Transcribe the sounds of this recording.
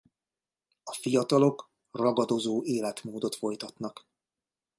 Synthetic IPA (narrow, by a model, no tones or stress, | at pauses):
ɒfijɒt̪ɒlo̞k | rɒɡɒd̪o̞zoːʔeːlɛt̪moːd̪o̞t̪fo̞jt̪ɒt̪nɒk